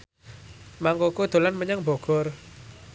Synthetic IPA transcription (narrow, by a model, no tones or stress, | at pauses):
maŋkokud̪̥o̤lanməɲaŋbɔ̤ɡ̥ɔr